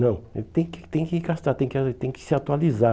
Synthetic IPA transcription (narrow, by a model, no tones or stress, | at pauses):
nɐ̃w̃ɛt̪ẽj̃kɪ̥t̪ẽj̃kɪiɡast̪aɾt̪ẽj̃kɪat̪ẽj̃kɪ̥sɪat̪ualiza